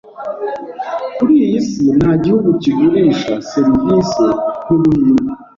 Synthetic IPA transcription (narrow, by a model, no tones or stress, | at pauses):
kuɾijisinaɟihuɡuciɡuɾiʃaseɾiviːsin̥uβuɲuɾu